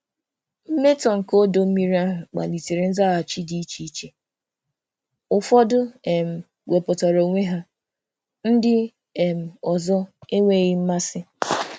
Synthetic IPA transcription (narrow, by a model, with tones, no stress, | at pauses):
m̩˦me˦tɔ˨ŋ̩˨ko˦do˦m̩˦mi˦ɾi˦a˦ɦʊ˨k͡pa̰˨li˨te˨ɾe˨n̩˦za˦a˨t͡ʃi˦di˦i˦t͡ʃi˦i˦t͡ʃe˨ | ʊ˨fɔ˦dʊ˦e˨m̩˨ | we˨pɔ˨tɔ˨ɾo˨u˨ŋʷe˦ɦa˦ | n̩˦dɪ˦ | e˨m̩˨ɔ˨zɔ˦e˦ŋʷe˦˨ɣɪ˦m̩˦ma˦sɪ˦